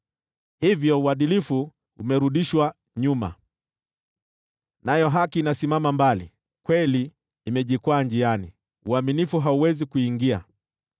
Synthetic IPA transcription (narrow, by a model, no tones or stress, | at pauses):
hivjɔuaɗilifu | umɛɾuɗiʃwa | ɲuma̰ | najɔɦakiːnasimamambalḭ | kwɛliː | mɛʄikwand͡ʒiani | uaminifuɦauwɛzikuiŋɡia